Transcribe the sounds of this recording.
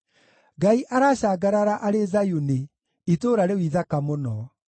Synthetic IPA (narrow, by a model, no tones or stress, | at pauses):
ɡaiʔaɾaːɕaːɡaɾaɾaʔaɾezajune | itoːɾaɾewiːðakamonɔ